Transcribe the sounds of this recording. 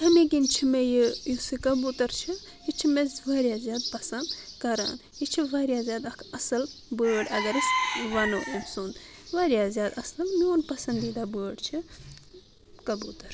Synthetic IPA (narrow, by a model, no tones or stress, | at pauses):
ɦɐmiɡint͡ʃʰimejijusɨkɐbut̪ɐɾt͡ʃʰi | jit͡ʃʰimezʋɐːɾʲjaːzʲjaːd̪pɐsɐnd̪kɐɾa̰ːn | jit͡ʃʰiʋaːɾjaːzʲjaːd̪ɐkʰɐsɐlbəːɽʲɐɡɐɾisʋɐnoːʔemsuːnd̪ | ʋaːɾjaːzʲjaːd̪ɐsɐlmioːnpɐsɐnd̪id̪abəːɽt͡ʃʰi | kɐbuːt̪ɐɾ